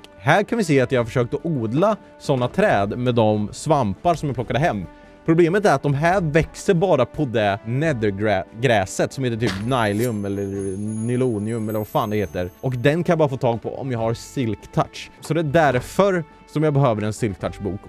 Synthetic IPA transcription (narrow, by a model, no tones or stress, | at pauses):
hæːɾkʰanvɪseːat̪jɑhaɾfœʂøːk̚t̪ɔʔuːd̪la | sɔnːat̪ʰɾɛːd̪mɛd̪ɔmsvampaɾʂɔmjaplɔkːad̪əɦɛmː | pʰɾʊbleːmət̪æɾat̪̚d̪ɔmɦæːɾvɛksəɾbɑːɾapʰɔd̪ɛnɛd̪əɡɾɛɡɾɛːsət̪sɔmheːt̪əʈ̪ʰyːpnajlɪɵmɛlːəɾnɪluːnɪɵmɛlːəɾvaɾfaːnd̪heːt̪əəɾʔɔkd̪ɛnkʰanjabɑːɾafoːt̪ʰɑːɡ̚pʰɔ̰ɔ̰mjɑːɡhaɾsɪlkt̪ʰaʈ̪ʂsɔd̪ɛæɖæɾfœɾ | sɔmjɑːbɛɦøːvəɾɛnsɪlk̚t̪ʰaʈʂbuːk